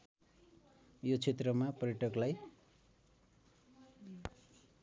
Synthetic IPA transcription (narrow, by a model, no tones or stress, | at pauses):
jot͡sʰet̪rʌmapʌɾeʈʌklaj